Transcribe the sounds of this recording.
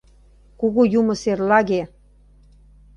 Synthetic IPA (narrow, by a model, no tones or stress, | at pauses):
kuɣujumɤ̆serlɑɣe